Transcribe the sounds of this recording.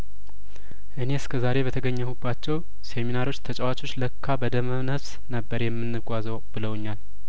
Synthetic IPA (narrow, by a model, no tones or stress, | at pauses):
ʔɨne̞ɨskʰəzaɾe̞bət̪ʰəɡəɲːəhubːat͡ʃːɛw | seminaɾo̞t͡ʃːt̪ʰət͡ʃʼɛwat͡ʃʼo̞t͡ʃːləkʰːabəd̪əmənəs | nəbːəɾjɛmːɨnːɨɡʼʷazəwbɨləwɲːal